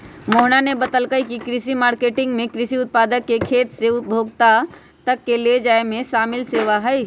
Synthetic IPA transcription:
moɦnanebət̪əlkəkikɾisimaɾkeʈiŋɡmekɾisiut̪̚pad̪əkːekʰet̪seut̪̚bʱoɡt̪a | t̪əkːeled͡ʒaemesamilseʋaɦəj

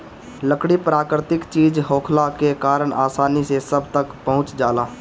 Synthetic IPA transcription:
ləkɽipɾaːkɾɪt̪ɪkt͡ʃiːd͡ʒɦoːkʰlakekaːɾəɳʔaːsaːnisesəbʱt̪əkpəɦʊ̃t͡ʃd͡ʒaːlaː

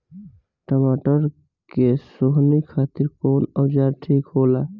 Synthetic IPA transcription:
ʈəmaʈəɾ | kesoɦnikʰaːt̪iɾkoːnəwd͡ʒaɾʈʰikɦola

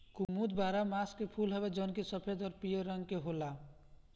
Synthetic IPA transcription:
kumud̪baɾamaskepʰulɦəbed͡ʒɔnkesəpʰed̪ɔɾpijoɾʌŋɡkeɦola

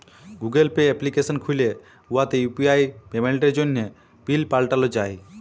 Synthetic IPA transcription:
ɡuɡelpeːplikesənkʰujle | uɦat̪ejupiajpemeɭʈeɾd͡ʒonːe | pilpalʈalɔd͡ʒaːj

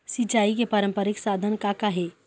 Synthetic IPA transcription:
sɪt͡ʃaːikepɐɾə̃mpəɾɪksaːd̪ʱənkakaɦeː

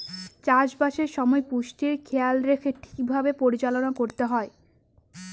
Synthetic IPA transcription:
t͡ɕaʃbaʃeɾʃɔmɔepuʃʈiɾkʰealɾekʰeʈʰi̥k̚bʱabepoɾit͡ɕalonakoɾt̪eɦɔe

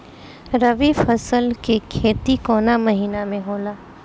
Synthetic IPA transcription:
ɾɐʋifɐsəlkekʰeːt̪ikɔːnamɐɦiːnamẽɦoːlaː

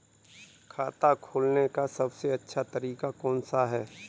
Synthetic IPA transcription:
kʰaːt̪akʰoːlnekasɐbseɐtːʃʰat̪ɐɾiːkakɔːnsaɦɛː

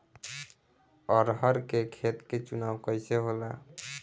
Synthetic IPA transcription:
ɔɾɦəɾkekʰet̪ket͡ʃunaːwkəɪseɦola

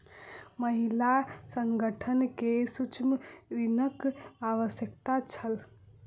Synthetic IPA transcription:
məɦilasəŋɡəʈʰənkesut͡ʃmɾinəkaʋəsjəkt̪at͡ʃʰəl

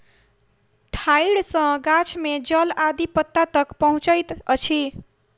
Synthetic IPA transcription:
ʈʰajɽsə̃ɡat͡ʃʰmed͡ʒəlad̪ipət̪ːat̪əkpəɦũt͡ʃəjt̪ət͡ʃʰi

